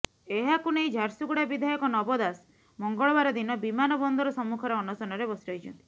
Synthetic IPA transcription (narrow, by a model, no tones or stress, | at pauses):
eɦakunejd͡ʒʱaɾsuɡuɽabid̪ʱajɔkɔnɔbɔd̪as | mɔŋɡɔɭɔbaɾɔd̪inɔbimanɔbɔnd̪ʱɔɾɔsɔmːukʰɔɾeɔnɔsɔnɔɾebɔsɾiɦɔjt͡ʃʰɔnt̪i̥